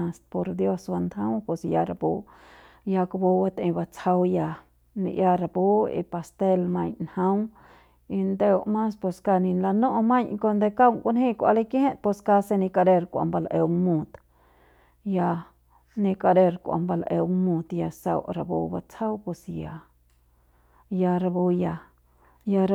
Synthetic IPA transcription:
a˧st̪̚po˧ɾd̪jo˧swa˧nd̪hã˦wpo˧sja˧ɾa˧bo˧ | ja˧ka˧bo˧ba˧t̪ẽ˧ba˧t͡sʰa˧wja˧ | nḭ˧ja˧ɾa˧˨bo˦ḭ˧pa˧st̪e˧lmã˧ɲnhã˦w | i˧nd̪e˧wmã˦spo˧ska˧nĩ˧nla˧nõ˦ʔmã˦ɲko˧nd̪e˧ka˦wŋkʷa˧nhĩ˦kʷa̰˧le˦˧khẽ˦t̪̚po˧ska˧se˧nĩ˧ka˧ɾe˧ɾkʷa̰˧˨mba˧la˧ʔe˧wŋmũ˧t̪ | ja˧ | nĩ˧ka˧ɾe˧ɾkʷa̰˧mba˧la˧ʔe˧wŋmũ˧t̪ja˧sa̰˧wɾa˧bo̰˧ba̰˧t͡sa˦wpo˧sja˧ | ja˧ɾa˧bo˧ja˧ | ja˧ɾ

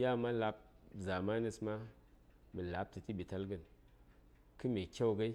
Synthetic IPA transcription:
ja˦˨ma˦la˧˦p̚za˨ma˦ni˧sma˦ | mɨ˨la˨˦p̚tɨ˨ti˦bi˨ta˦lɡɨ˨n | kɨ˦me˨kʲa˦wɡa˦i˦

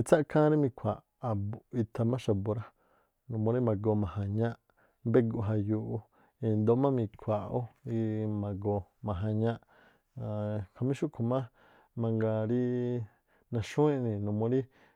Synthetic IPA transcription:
i˧t͡sa˦ʔkʰã˦ɾi˦mĩ˧kʷʰa˨ʔːbu˨i˧t̪ʰa˧mã˦ʃa˧bo˨˧ɾa˦ | nũ˧˨mõ˧ɾi˦mã˨ɡo˧˨mã˨hã˧ɲã˦ʔ | be˦ɡu˧˨ɦa˧ju˧ʔu˧ | i˧nd̪o˧ʔmã˦mĩ˧kʰʷa˨o˦i˧mã˧ɡo˧mã˨ɦã˧ɲã˦ʔ | kʰa˧mĩ˦ʃu˦kʰo˧˨mã˦ | mã˧ŋɡa˧ɾi˧ | nã˧ʃũ˦ĩ˦˧nĩ˧nũ˧mõ˧˦ɾi˦

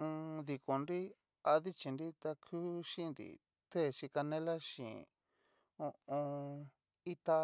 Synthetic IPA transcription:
ũ˧ði˨ko˨nɾi˦ | a˧ði˦t͡ʃi˨nɾi˦t̪a˧kʰu˦ʃĩ˦˧nɾḭ˨ | t̪e˦˨ʃi˧ka˧nẽ˦la˦ʃḭ̃˨ | õ˧õ˧ | i˦t̪a˧

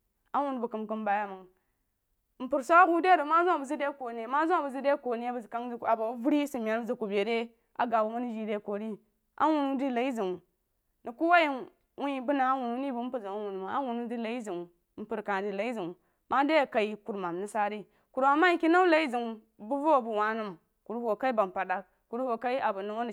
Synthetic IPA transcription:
a˦wu˦n˨bu˨kɨ˨mkɨ˦mba˨ja˦ma˨ŋ˨ | m̩˨pu˨ɾso˦a˦ɡu˦de˦du˨˦ma˦zu˦a˨bu˨zi˦de˦ko˨ne˨ma˦zu˦a˨bu˨zi˦de˦ko˨ni˦jbu˨zka˦ŋ˦i˦˨a˨ba˨˦vu˦ɾi˦si˨mʲ˨a˨nbzi˨ku˨be˨de˦ | ʔa̰˨ɡa˨bu˨mu˦ni˦d͡ʒi˨de˦ko˨ɾi˦ | ʔa̰˦wu˨nu˦di˦la˨i˦zi˨ŋu˨ | ni˨ku˦wa˦ji˦ | wu˦i˦bu˦na˨˦wu˨nu˦ni˦bu˨m̩˦pu˨zi˨a˦wu˨nu˨m˨a̰˦wu˨nu˦di˦la˨i˦zi˨ŋu˨˦ | m̩˦pu˨ɾka˨di˨la˨i˦zi˨ŋu˨ | ma˦de˦ja˨ka˨i˦ku˨ɾma˨mni˦sa˦ɾi˦ | ku˨ɾma˨mːa˦ji˦ki˦na˦la˨˦i˦zi˨ŋu˨ | bu˦vo˦˨bu˨wa˨nu˦m | ku˨ɾu˦ho˨ka˦i˦ba˨m˨pa˨da˨k̚ | ku˨ɾu˦ho˨ka˦i˦a˨bu˨nu˨wo˦n˨

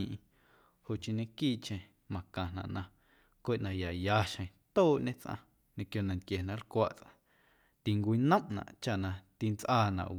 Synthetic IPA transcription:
ĩ˧ʔ | ho˨ʔt͡ʃĩ˧ɲẽ˧kiː˦ʔt͡ʃẽ˧ | mã˨kã˨nã̰˨ʔnã˧ | kʷe˦ʔnã˧ja˨jaː˧ʃə̃˧˨˧t̪oː˦˨ʔɲẽ˦t͡sʔã̰˧ | ɲẽ˧kjo˧nã˧nt̪̚kje˨nã˨lkʷaː˧ʔt͡sʔã̰˧ | t̪i˨ŋkʷi˧nə̃˦mnã̰˨ʔt͡ʃa˦˨ʔnã˧t̪i˧nt͡sʔaː˧nã̰˨ʔ

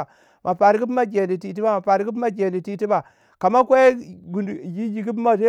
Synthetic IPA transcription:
mʔa˨pa˨ɾi˦ɡi˦pma˦ɡʲe˨li˨ti˨t̬i˦ba˦˨ma˨pa˨ɾi˦ɡi˦pma˦ɡe˨li˨ti˦ti˦ba˨ | ka˨ma˦kʷe˦ɡu˨dɡi˦d͡ʒi˨ɡi˦p̬ma˦t̬e˦

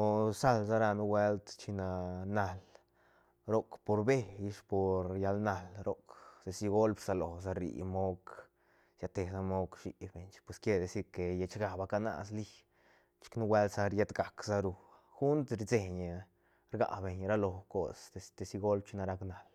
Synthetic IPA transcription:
o˧sa˦lza˦ɾa˧nu˦we˦lt̪t͡ʃi˧na˧na˧l | ɾo˦kpo˧ɾbe˦˧ji˧ʂpo˨ɾja˧lna˧lɾo˦kd̪e˧si˧ɡo˦lbsa˧lo˨sa˧ɾḭ˨mo˦k | sja˧t̪e˨sa˧mo˦kʃi˨be˨ɲt͡ʃpwe˧˨ske˦d̪e˧si˧ke˨je˧t͡ʃɡa˨ba˧ka˧na̰˧sli˦ | t͡ʃi̥˧knu˦we˦lt̪sa˧ɾje˧t̪ɡa˨ksa˦ɾu˧ | xu˦nt̪ɾd͡ze˨ɲ˨ | ɾɡa̰˨be˨ɲɾa˦lo˨ko˧sd̪e˧st̪e˧si˧ɡo˦lb̚t͡ʃi˧˦na˧ɾa˧kna˨l

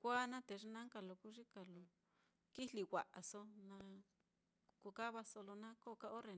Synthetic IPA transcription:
kʷa˦nã˦t̪e˨ʐi˧nã˦ŋka˧˨lo˨ku˦ʐi˦ka˨lo˨ | ki˦li˧wa˨ʔa˨so˧nã˧ | ku˧ka˦βa˧so˧lo˧nã˦ko˦˨˧ka˧ʔo˦ɾe˨

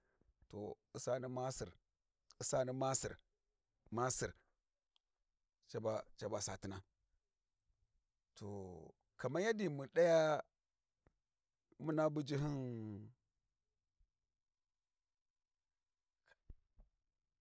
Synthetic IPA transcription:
to̰˨ | i˨sa˦ni˦ma˦sḭ˨ɾ | i˦sa˦ni˦ma˦sḭ˨ɾ | ma˦si˨ɾ | t͡ʃa˨ba˨t͡ʃa˨ba˨sa̰˨ti˦na˦ | tʰo˨ | ka˨ma˦ja˦di˨mu˨ɗa˦ja˦ | mu˦na˦bu˦d͡ʒi˦ɦi˦n

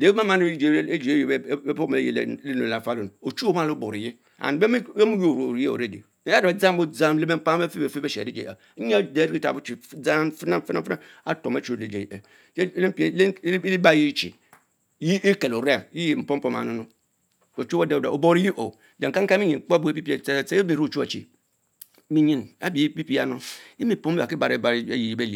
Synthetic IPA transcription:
de˨˦a˦ma˦nu˦d͡ʒe˨˦e˦d͡ʒe˨˦jbo˦me˨e˦je˨l̰le˦no˨la˨˦fa˦lo˦˨nu˨o˨t͡ʃu˦o˦ma˦˨lo˦bo˨ɾi˨ji˦ | a̰˨n˨be˦m˦e˦mu˦jo˦˨ɾo˨ɾje˦˨o̰˨ɾe˦˨dḭ˨˦a˦˨a˨d͡za˦mbo˦d͡za˦mle˦me˦m˦pa˦e˦fi˦be˨fe˦be˦ḛ˨i˦d͡ʒḛ˨a̰˨˦ɲ˦a˦de˨˦ɾi˦i˦ta̰˨bu˦t͡ʃi˨˦d͡za˦fi˦na˦fi˦na˦fna˦ | a˦to˨me˦t͡ʃi˦o˨de˨d͡ʒe˨a˨˦ | le˦pi˦li˦ba˦i˦t͡ʃḭ˨ | ji˦i˦ke˨lo˨ɾa˨ji˦ji˨m̩˨po˦m˦po˦˨ma̰˨nu˦nu˦ | o˨t͡ʃu˦bo˦de˦da̰˨o˨bo˦ɾi˦ji˦ʔo˨ | d͡ʒa˨ŋka˦ŋ˦ka˦i˦ɲi˨k͡po˦bu˦e˦pi˦pi˦˨˦se˦e˦be˨ɾu˦˨t͡ʃu˦a˨t͡ʃḭ˨˦ | mi˦ɲĩ˦˨na̰˦bi˨˦pi˦pi˦a˦nu˦i˦mi˨po˦e˦ba˨ki˦ba̰˨ɾe˦ba˨˦ji˨i˦be˦li˨

